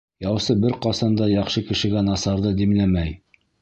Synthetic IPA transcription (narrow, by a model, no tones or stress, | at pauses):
jɑwsɤbɘɾqɑsɑnd̪ɑjɑχʃɤkɘ̆ʃɘ̆ɡænɑsɑɾðɤd̪imlæmæj